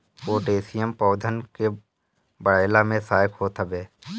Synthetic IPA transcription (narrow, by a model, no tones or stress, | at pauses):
oːɖeːsijəmpɔːd̪ʱənke | bəɽaːɪlamẽsaːjɪkɦot̪ʰəbeː